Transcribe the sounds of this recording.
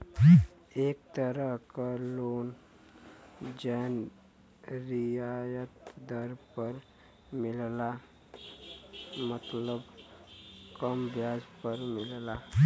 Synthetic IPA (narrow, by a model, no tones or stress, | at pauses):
ek̚t̪əɾəɦkalon | d͡ʑɛn | ɾijajət̪d̪əɾpəɾ | milla | mət̪ləb | kəmbjad͡zpəɾmilla